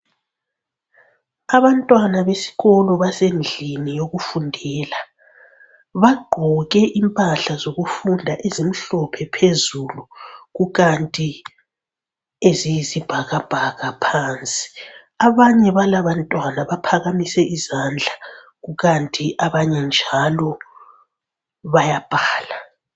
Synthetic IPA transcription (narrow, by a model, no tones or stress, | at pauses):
aβantʼwanaβesi̥ɣɔlɔβasend͡ɮʱinijoɣufundʱɛːla | βaɡ͡ǃʱɔɣɛʔimpʼaɬazoɣufundʱaʔezim̩ɬɔpʰɛpʰezuluɣuɣantʼi | ezijizib̥ʱaɣab̥ʱaɣapʰaːnt͡sʼi̥ | aβaɲɛβalaβantʼwanaβapʰaɣamisɛʔizand͡ɮʱa | ɣuɣantʼiʔaβaɲɛnd͡ʒʱalɔ | βajab̥ʱaːla